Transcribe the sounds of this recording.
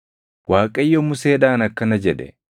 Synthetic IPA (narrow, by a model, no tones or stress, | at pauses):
waːkʼɐjːɔmʊseːᶑaːnɐkːɐnɐd͡ʒɛᶑɛ